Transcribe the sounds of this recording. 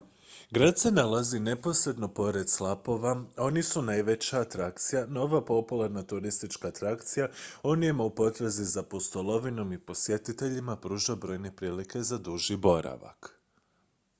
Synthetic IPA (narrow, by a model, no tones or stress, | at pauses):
ɡɾad̪se̞nalazine̞po̞sɾe̞d̪no̞po̞ɾe̞d̪slˠapo̞ʋao̞nisunajʋe̞t͡ɕaːt̪ɾakt̪sijanooʋapo̞pulˠaɾnat̪uɾist̪it͡ʃkaːt̪ɾakt̪sijao̞nijemoupo̞t̪ɾezizapost̪olˠo̞ʋino̞mipo̞sje̞t̪it̪e̞ʎimapɾuːʒabɾo̞ːjne̞pɾiːlike̞zad̪uʒibo̞ɾa̰ʋa̰k